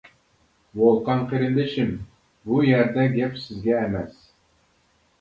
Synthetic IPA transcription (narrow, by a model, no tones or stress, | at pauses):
wolˠqʰɑnqeɾɪnd̪ɪʃɪm | bujæɾd̪ɛɡʲɛpsɪzɡʲɛːmɛs